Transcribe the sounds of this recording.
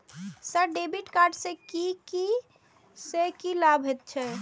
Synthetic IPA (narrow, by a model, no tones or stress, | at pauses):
səɖebiʈkaɾɖsẽkiki | sekilabʱɦet̪̚t͡ʃʰɛ